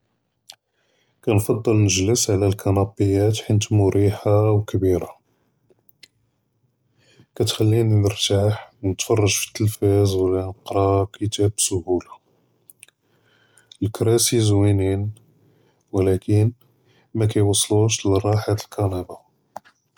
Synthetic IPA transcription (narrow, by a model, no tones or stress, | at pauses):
kænfɑd̪ˤːəlnəʒləsʕlælkʰɑnɑbəjːæt̪ħint̪mʊɾiħawkbiɾa | kæt̪xælːinnəɾt̪aħwnət̪fɑrˤːɑʒfi̥t̪ːəlfæzwlːænəqɾˤɑkʰət̪æbsʊhula | lkɾæsizwinin | wlækən | mæk̬æjwɑsˤːluʃlərˤːɑħat̪əlkʰɑnɑbɑ